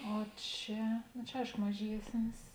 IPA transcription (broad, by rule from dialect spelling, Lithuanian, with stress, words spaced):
oː ˈt͡ʃʲɛ noː t͡ʃʲɛ ˈɐɪʃkoː mɐˈʒʲiɛsʲnʲɪs